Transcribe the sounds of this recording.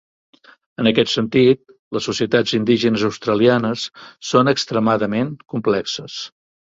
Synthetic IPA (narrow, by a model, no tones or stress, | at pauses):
ənəkɛt̪sənt̪it̪̚ | ləsːusiət̪ad͡zind̪iʒənəzəwst̪ɾəlianəsːonəkst̪ɾəmaðəmeŋkumplɛksəs